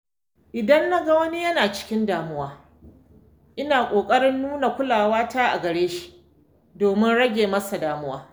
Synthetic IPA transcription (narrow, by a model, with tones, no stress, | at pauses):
ʔɪ˨dɐ˦nːa˦ɡa˨wɐ˦ni˦jɐ˦naː˨t͡ʃɪ̥˦kʲɪ˦ndaː˨mʊ˦waː˦ | ʔɪ˦naː˨kʷʼoː˨kʼɐ˦ɽɪ˦nːuː˦na˨kʷʊ˦laː˨waː˦taː˦ʔa̰˨ɡɐ˨ɽeː˦ʃi̥˦ʔ | doː˨mɪ˦nɽɐ˦ɡʲeː˨mɐ˦sa˨daː˨mʊ˦waː˦